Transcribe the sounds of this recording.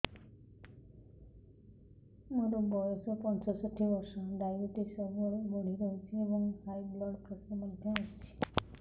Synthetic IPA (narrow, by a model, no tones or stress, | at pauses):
moɾobɔjɔsɔpɔnt͡ʃɔsot̪ʰːibɔɾsɔɖajuʈisɔbɔɾebɔɽ̤iɾɔɦet͡ʃʰiebɔŋhajblɔɽpɾɔsnɔmɔd̪ʱãast͡ʃʰi̥